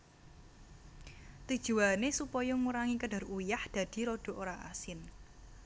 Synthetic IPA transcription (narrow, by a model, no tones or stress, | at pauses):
t̪ud̥ʒ̥ṳwanesupɔjɔŋuɾaŋikəɖ̥a̤rujahd̪̥ä̤d̪̥i̤ɾoɖ̥o̤ʔoɾaʔa̰sɪn